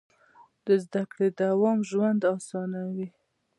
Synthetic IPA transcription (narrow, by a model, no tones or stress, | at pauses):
d̪əzd̪akɽed̪awɑmʒwand̪ɑsɑnawi